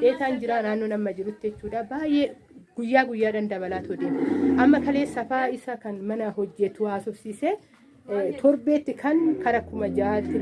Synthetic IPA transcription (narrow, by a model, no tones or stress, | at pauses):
ᶑeːt̪aːnd͡ʒɪɾaːnaːnːoːnɐmːɐd͡ʒɪɾʊt̪ːɪɛt͡ʃːuːᶑaːbaːjʔe | ɡ̥ʊjːaːɡʊjːaːᶑɐnd̪ɐbɐlaːt̪ɔd̪eːʔɐmːɐkɐle̞ːsːɐfaːɪsɐkɐnmɐnɐhɔd͡ʒːɛt̪ːʊaːsɔsːiːsɛ | t̪ʰɔɾbeːt̪ːɪkʰɐŋkɐɾɐkʊmɐd͡ʒaːt̪